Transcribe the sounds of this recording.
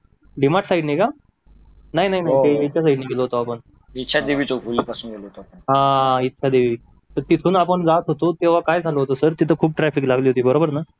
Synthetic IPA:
ɖimaʈsaiɖnika | naɦinaɦinaɦieet͡ɕjasaiɖniːɡeloɦot̪oapəɳ | itːɕʰad̪eʋiːt͡sofuliːpasuːnɡeloɦot̪oapəɳɦãitːɕʰad̪eʋiː | t̪əɾt̪it̪ʰuːnapəɳd͡zat̪ɦot̪ot̪eʋ̤akajd͡zʱaloɦot̪osəɾt̪it̪ʰəkʰuːb̚ʈɾɛfiklaɡliːɦot̪iːbəɾobəɾna

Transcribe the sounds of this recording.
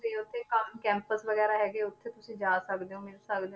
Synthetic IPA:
iːʊt̪ʰːeːkəmkɛ̃ːmpəsʋəɡɛːɾaːɦɛːɡeːʊt̪ʰːeːt̪ʊsĩːd͡ʒaːsəkd̪eõːmɪlsəkd̪ẽ

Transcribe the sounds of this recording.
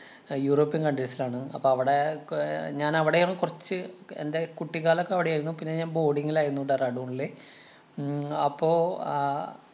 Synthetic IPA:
juːro̞ːpːijɐnkɐɳɖiɾsilaːɳɨɐ̰pːoːɐʋiɽe | ɲaːnɐʋiɽejoːɳːkurɐt͡ɕːɨḛnde̞kuʈːiɣaːlokːeɐʋiɽejaːjɾunːupinːe̞ɲaːnbo̞ːɽiŋːilaːjɾunːuɽɖerɐɽuoɳɖile | ɐpːo̞ː

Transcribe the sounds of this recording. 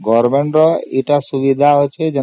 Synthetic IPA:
ɡɔɾmeɳʈɾɔeʈasubid̪ʱaət͡ʃʰed͡ʒe

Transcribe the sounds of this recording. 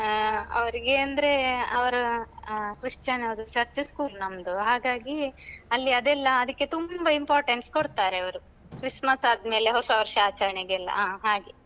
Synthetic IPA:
ɐ̰ʋɐɾiɡeɐnd̪ɐɾe̞ɐʋɐɾu | kɾiʂt͡ʃɐnɐʋɐd̪ut͡ʃɐɾt͡ʃɐskuːlnɐmd̪uɦaːɡaːɡiɐlːiɐd̪ɛlːɐːd̪ɐkːe̞t̪umbɐimpaːɾʈeɳskoɽt̪aːɾeɐʋɐɾu | kɾismɐsaːd̪me̞ːle̞ɦosɐɐʋɐɾʃɐaːt͡ʃɐɾɐɳeɡːlːɐ̰aːɦaːɡe

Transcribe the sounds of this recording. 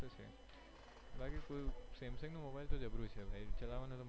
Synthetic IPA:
esʰḛm | ɦɐlãkekojuseːmsɪ̃ŋɡnũmobaɪlt̪od͡ʒəbɾut͡ʃʰebʱait͡ʃəlaʋanũt̪o

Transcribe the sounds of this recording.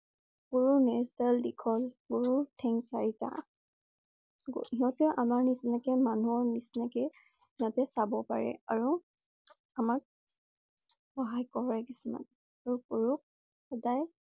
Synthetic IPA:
ɡoɹunɛsdaldikʰɔlɡoɹutʰɛŋsaɹita̰ | ɡiɦɔ̃tɛʔamaɹnisinakɛmanuɔɹnisnakɛ | natɛsabɔpaɹɛ̰aɹu | amak̚ | xɔɦajkɔɹɔɹɛkisuma̰n | aɹukoɹuk̚ | xɛdaj

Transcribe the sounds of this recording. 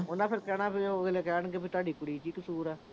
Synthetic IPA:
onãːpʰɪɾkɛːñãːpʰɪʋeːleːkɛːnɡepʰɪt̪ʊaːɖiːkʊɽiːt͡ʃiːkəsuːɾɛː

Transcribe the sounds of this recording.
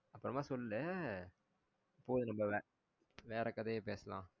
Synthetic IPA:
ɐpːɯɾɐmaːsɔllɛ | poːðɯnɐmbɐʋɛ̃ | ʋeːɾɐkːɐðepeːsɐlã̰ː

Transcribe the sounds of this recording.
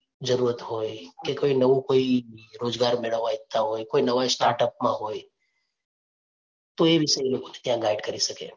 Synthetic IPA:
d͡ʒɐɾuːɾət̪ɦoːekekoːinɐʋõkoːiɾoːd͡ʒɡaːɾmɪɭəʋaɪt̪ʰːaɦoːjkoːinɐʋaesʈaːɾʈəpmãɦoː | t̪oeʋʱɪsəiloːɡõnet̪ɪɦãɡaːɪɖkɐɾisɐkḛ̃

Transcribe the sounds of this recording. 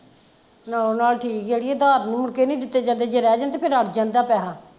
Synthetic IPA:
naːoːnaːlʈʰiːkeːɽieːd̪aːɾnũːmʊɳkeːnĩːd̪ɪt̪ːeːd͡ʒãːnd̪eːd͡ʒeɾɛːd͡ʒãːnt̪eːpʰɪɾəʈʰd͡ʒãːnd̪aːpɛːɦãː

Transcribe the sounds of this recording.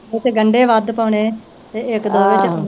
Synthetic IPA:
ɪt͡ʃɡəɳɖeːʋəd̪pəːʊɳeː | t̪eːɪkd̪oːʋɪt͡ʃ

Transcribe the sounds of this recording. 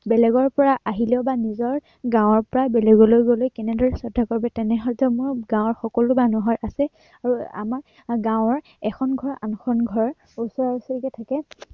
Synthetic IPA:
bɛlɛɡɔɹpɔɹaʔaɦilɛʊbanizɔɹ | ɡãw̃ɔɹpɔɹabɛlɛɡɔlojɡolojkɛnɛdɔɹɛsɔdʱakoɹibɛtɛnɛɦɔdʱɔmʊɹɡãw̃ɔɹxɔkɔlʊbanɔɦɔjʔasɛ | aɹua̰maɹ | ɡãwɔɹ | ɛkʰɔnɡʱɔɹa̰nɔxʰɔnɡʱɔɹ | usɔɹausɔɹikɛtʰakɛ

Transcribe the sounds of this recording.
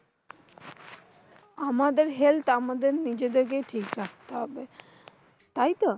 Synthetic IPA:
amad̪eɾɦelt̪amad̪eɾnid͡ʑed̪eɾk̬eʈʰikɾak̚ʰt̪eɦɔbe | t̪ajt̪ɔ

